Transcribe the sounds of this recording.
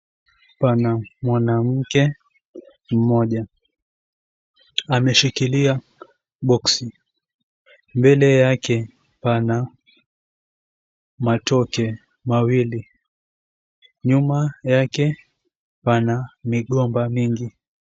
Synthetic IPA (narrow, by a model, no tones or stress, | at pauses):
panamwanam̩kɛ | m̩mɔʄa | amɛʃikilia | ɓɔksi | mbɛlɛjakɛ | pana | matɔkɛ | mawili | ɲumajakɛ | panamiɠɔmbamiŋɡi